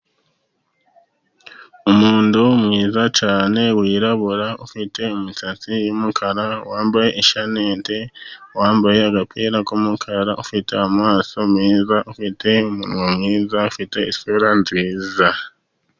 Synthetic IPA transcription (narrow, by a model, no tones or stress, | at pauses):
umuːndumŋiːzat͡ʃaːne̞wiːɾaβuɾaufite̞umusat͡sijumukʰaɾawaːmbaje̞ʔiʃaneːnte̞waːmbaje̞aɡapʰeːɾakumukʰaɾaʔufite̞amwaːso̞mŋiːzaʔufitʰe̞umṵnwomŋiːzaufite̞isuɾanziːza